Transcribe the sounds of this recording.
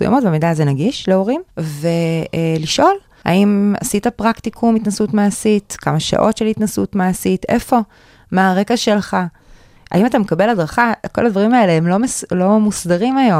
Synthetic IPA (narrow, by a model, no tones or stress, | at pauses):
suja̰motbamidaːzenaɡiʃleo̞ʁimve̞liʃʔo̞l | a̰ima̰sitapʁaktikʰumitnasutmaːsitkamaʃa̰ʔo̞tʃelhit̪nasutmaːsite̞̰fo̞ | maːʁe̞kaʃe̞lχa | ʔa̰imatamekabe̞ladʁaχako̞lad̪vaʁimae̞leemlo̞meslo̞musdaʁimajo̞